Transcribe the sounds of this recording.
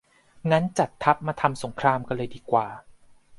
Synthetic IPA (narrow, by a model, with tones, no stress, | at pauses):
ŋa˦˥nt͡ɕa˨˩t̪ʰːa˦˥p̚maː˧t̪ʰa˧mso˨˩˦ŋkʰɾaː˧mkɔ˧˥˩lɤː˧jdiː˧kwaː˨˩